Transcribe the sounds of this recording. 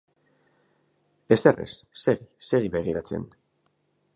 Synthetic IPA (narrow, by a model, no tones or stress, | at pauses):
e̞serḛsːeɣiseɣiβe̞ɣ̞iɾat͡se̞̰n